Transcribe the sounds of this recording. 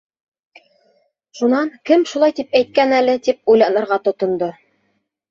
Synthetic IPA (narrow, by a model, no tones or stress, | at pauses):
ʃunɑŋkɘmʃulˠɑjt̪ipæjt̪̚kænælɘt̪ip̚ujlˠɑnɤ̆ɾʁɑt̪ŏt̪ŏnd̪o